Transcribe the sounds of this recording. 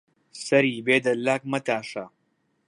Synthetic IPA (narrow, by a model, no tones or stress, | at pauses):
sɐɾiːbeːd̪ɐlːaːk̚mɐt̪aːʃɐ